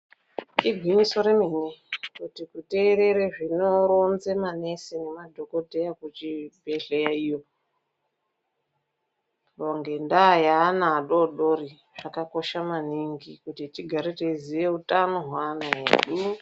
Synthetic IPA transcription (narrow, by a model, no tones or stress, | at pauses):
iɡʱwiniso̞ɾeminekutikute̞ːɾe̞ɾeʐinoɾonzemane̞senemadʱo̞ko̞dʱe̞jakut͡ʃibʱe̞ɮejaijo | oŋɡe̞ndajaːnaːɗo̞ɗo̞ri | ʐ̥akako̞ʃamaniŋɡikutitiɡʱaɾetezijeutanoɦwanaɦḛɗu